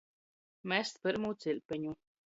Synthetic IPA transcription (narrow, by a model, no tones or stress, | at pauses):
mɛst̪pɨɾmuːt̪silʲpʲɛɲu